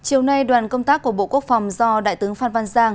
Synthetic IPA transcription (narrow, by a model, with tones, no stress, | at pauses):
t͡ɕi˨˩əwna˧jɗwaː˨˩nkə˧wŋ͡mt̪aː˦˥kːu˧˩əɓo̰˧˨ku˦˥ək̚fa˨˩wŋ͡mzɔ˧ɗa̰ː˧˨jt̪ɨ˨˦əŋfaː˧nva˧nzaː˧ŋ